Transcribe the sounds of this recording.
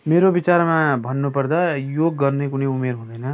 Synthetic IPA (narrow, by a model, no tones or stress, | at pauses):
meɾobit͡saɾmãbʱʌnːupʌrd̪ajoɡːʌrnekunʌumeɾɦũd̪ʌjnʌ